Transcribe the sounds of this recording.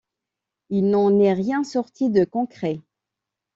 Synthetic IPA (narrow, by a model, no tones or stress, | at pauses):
ilnɑ̃nɛʁjɛ̃sɔʁt̪ʰid̪əkɔ̃kχɛ